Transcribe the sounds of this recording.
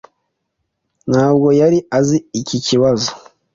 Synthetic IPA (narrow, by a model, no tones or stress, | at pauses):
nhaːbɡojaɾiaziiciciwazo